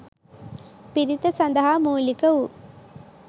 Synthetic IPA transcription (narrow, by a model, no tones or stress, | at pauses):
piɾit̪ɐsɐnd̪ɐɦaːmuːlikəu